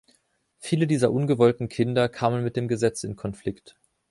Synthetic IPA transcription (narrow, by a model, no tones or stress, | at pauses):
fiːlədiːzɐʔʊnɡəvɔltn̩kʰɪndɐkʰaːmənmɪt̚d̥eːmɡəzɛt͡sɪnkʰɔnflɪkt